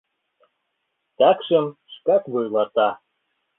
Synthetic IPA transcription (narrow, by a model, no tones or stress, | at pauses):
t̪ɑkʃəmʃkɑkβojlˠɑt̪ɑ